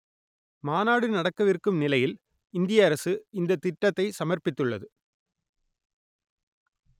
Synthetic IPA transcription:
maːnaːɽɯnɐɽɐkːɐʋɪrkːɯmnɪlɐjɪl | ɪnd̪ɪjɐːɾɐsɯɪnd̪ɐt̪ːɪʈːɐt̪ːɐɪsɐmɐɾpɪt̪ːɯɭːɐ̰ðɯ

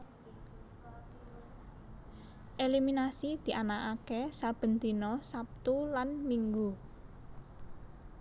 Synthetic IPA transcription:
ʔeliminasid̪̥i̤ʔanakakesab̥ə̤nt̪inɔsap̚t̪ulanmiŋɡu

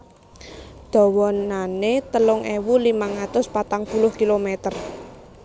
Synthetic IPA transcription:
d̪̥ɔ̤wɔnanet̪əlʊŋewulimaŋat̪ʊspat̪aŋpulʊhkilomet̪ər

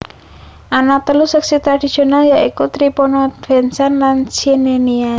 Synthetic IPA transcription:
ʔanat̪əlusəksit̪ɾad̥i̤̥sionaljaʔikut̪ɾiponɔv̥ɛnsanlansinenia

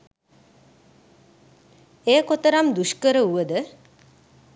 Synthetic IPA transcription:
eːkot̪əɾamd̪uʃkəɾəuʋəd̪ə

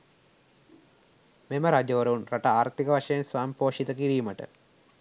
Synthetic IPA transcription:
memɐɾaːd͡ʑɐɾɐʋumrɐʈɐaːɾt̪iɣɐʋɐʂɐjɐnsʋaːmipoːʂit̪ɐkiɾijumɐʈɨ̰

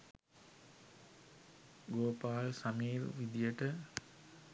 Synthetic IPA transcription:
ɡoːpaːlsamiːlʋid̪ijəʈə

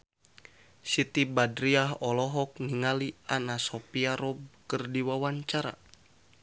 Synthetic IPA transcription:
sit̪ibadɾiaɦɔlɔɦɔk̚niŋalianasɔpiaɾɔb̚kɨrdiwawaɲt͡ʃaɾa̰

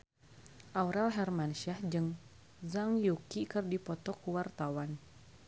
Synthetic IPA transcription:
ʔauɾalɦɛrmanʃahd͡ʒɨŋ | zaŋjukikɨrdipɔt̪ɔkuwart̪awan

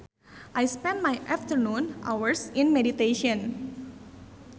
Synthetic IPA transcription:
ʔajspɛ̃nd̚majʔaft̪ərnunʔawəɹsĩnmedit̪eʃɔ̃n

